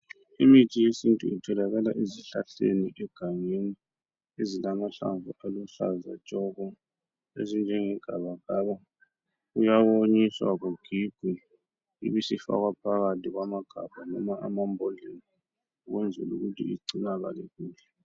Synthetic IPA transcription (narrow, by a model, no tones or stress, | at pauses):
imitʰijesintʼuitʰɛlaɣalaʔeziɬaɬḛniʔɛɡ̥ʱaŋeni | ezilamaɬa̰ɱvuʔaluɬa̰za̰t͡ʃʼɔɣɔ | ezind͡ʒʱɛŋɛɡ̥ʱaβaɣaβa | ujawoɲiswaɣuɡ̥ʱiɡ̥ʱi | ḭβisifa̰ɣwapʰaɣatʰʼiɣwamaɡ̥ʱab̥ʱanɔmaa̰mambʱɔlin | uɣwɛnd͡zʱɛluɣutʰḭiɡ͡ǀʱinaɣa̰lɛɣuːɛ